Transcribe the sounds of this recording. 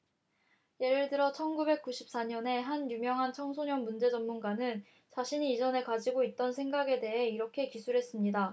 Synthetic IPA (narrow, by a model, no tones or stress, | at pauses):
je̞ɾɯɭtɯɾʌt͡ɕʰʌnɡube̞k̚k͈uɕʰi̥p̚s͈aɲʌne̞ɦanjumjʌŋɦant͡ɕʰʌŋsʰoɲʌnmund͡ʑe̞d͡ʑʌmmunɡanɯn | t͡ɕaɕʰiɲiːd͡ʑʌne̞kad͡ʑiɡoit̚t͈ʌnsʰe̞ŋɡaɡe̞de̞ɦe̞iɾʌkʰe̞kisʰuɾɦe̞s͈ɯmɲida